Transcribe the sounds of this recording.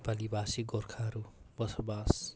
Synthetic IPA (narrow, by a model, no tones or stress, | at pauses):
palibasiɡorkʰaɦʌɾubʌsɔbas